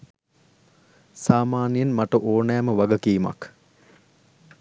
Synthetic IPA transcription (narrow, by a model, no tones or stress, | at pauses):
saːmaːnijənmaʈəʔoːnɛːməʋaɡəkiːma̰k